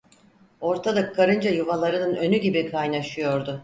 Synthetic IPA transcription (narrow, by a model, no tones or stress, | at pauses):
o̞ɾt̪ʰad̪akʰːaɾɯnd͡ʒajuvalˠaɾɯnɯnø̞nyɟibikʰajnaʃɯjo̞ɾd̪ʊ